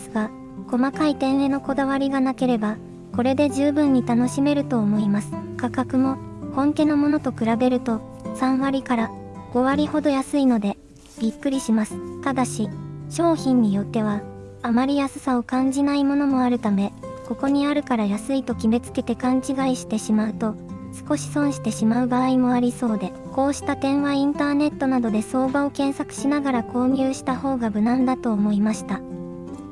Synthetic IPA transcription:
sɨɡa | ko̞makait̪ẽ̞ɰ̃ɾe̞no̞ko̞d̪aβ̞aɾʲiɡanake̞ɾe̞ba | ko̞ɾe̞d̪e̞ʑɨːbɯ̟̃ɲ̟ːit̪ano̞ɕime̞ɾɯ̟t̪o̞ːmo̞imasɨ̥kakakɯ̟mo̞hõ̞ŋke̞no̞mo̞no̞t̪o̞kɯ̟ɾabe̞ɾɯ̟t̪o̞ | sãɰ̃βaɾʲikaɾaɡ̥o̞βaɾʲiho̞d̪o̞jasɨino̞d̪e̞ | b̥ʲikːɯ̟ɾʲiɕimasɨ̥t̪ad̪aɕiɕo̞ːçĩɲ̟ːijo̞t̪ːe̞β̞aːmaɾʲijasɨsao̞kãɲ̟d͡ʑinaimo̞no̞mo̞aɾɯ̟t̪ame̞ko̞ko̞ɲ̟iaɾɯ̟kaɾajasɨit̪o̞kʲibe̞t͡sɨ̥ke̞t̪e̞kãɲ̟t͡ɕiɡaiɕi̥t̪e̞ɕimaɯ̟t̪o̞ | sɨ̥ko̞ɕi̥sõ̞ɰ̃ɕi̥t̪e̞ɕimaɯ̟baːimo̞aɾʲiso̞ːd̪e̞ | ko̞ːɕi̥t̪at̪ẽ̞ɰ̃βaĩnt̪aːne̞t̪ːo̞nad̪o̞d̪e̞so̞ːbao̞kẽ̞ɰ̃sakɯ̟̥ɕinaɡaɾako̞ːɲ̟ɨːɕi̥t̪aho̞ːɡabɯ̟nãnd̪at̪o̞ːmo̞imaɕi̥t̪a

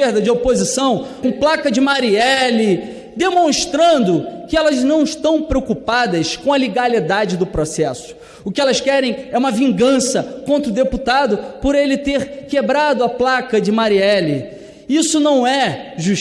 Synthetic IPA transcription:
eɾd̪ɐd͡ʒɪopozisɐ̃w̃kõplakɐd͡ʒɪmaɾiɛlɪ | d̪emõʃt̪ɾɐ̃nd̪ʊkɪɛlɐznɐ̃w̃ɪʃt̪ɐ̃w̃pɾeokupad̪ɐskõɐleɡalid̪ad͡ʒɪd̪ʊpɾosɛsʊ̥ | ʊkɪɛlɐskɛɾẽj̃ɛũmɐvĩɡɐ̃sɐkõnt̪ɾʊd̪eput̪ad̪ʊpʊɾelɪt̪eχkebɾad̪ʊɐplakɐd͡ʒɪmaɾiɛlɪ | isʊnɐ̃w̃ɛʒuʃ

